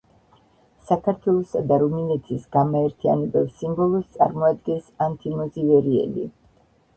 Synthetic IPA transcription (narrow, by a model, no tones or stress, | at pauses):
sakʰaɾt̪ʰwɛlˠɔsad̪aɾuminɛt̪ʰisɡ̥amaɛɾt̪ʰia̰nɛbɛpsimbɔlˠɔst̪sʼa̰ɾmɔad̪ɡɛnsant̪ʰimɔzivɛɾiɛ̰lḭ